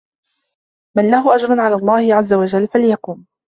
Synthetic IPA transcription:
manlahʊʔad͡ʒɾˤɑnʕalaːlˤːɑːhɪʕazːawad͡ʒalːfaljɑquːm

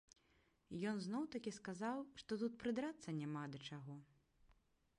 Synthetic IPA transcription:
jɔnznɔwt̪ɐkʲiskazawʂt̪ɔt̪̬ut̪̚pɾɨd̪ɾat̪sːɐnʲamad̪ɐt͡ʂaɣɔ

